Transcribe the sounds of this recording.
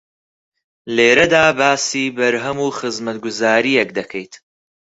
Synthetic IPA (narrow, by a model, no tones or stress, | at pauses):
leːɾɐd̪aːbaːsiːbɐɾɦɐmuːxɨzmɐt̪̚ɡʊzaːɾijɛk̚d̪ɐkʰɛjt̪